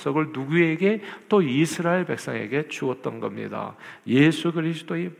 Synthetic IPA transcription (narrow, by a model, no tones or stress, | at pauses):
s͈ʌɡɯɭnuɡue̞ɡe̞t͈oisʰɯɾaeɭbe̞k̚s͈ʌŋe̞̰ɡe̞t͡ɕuʌt̚t͈ʌnɡʌ̰mɲḭda̰je̞sʰuɡɯɾis̬ʰɯ̥t͈oi